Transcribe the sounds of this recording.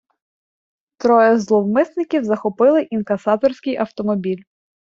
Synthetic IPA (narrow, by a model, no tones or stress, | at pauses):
t̪ɾɔjɛzlˠɔwmɪsnɪkʲiwzɐxɔpɪlˠɪʔinkɐsɑt̪ɔrsʲkɪjʔɐwt̪ɔmɔbʲilʲ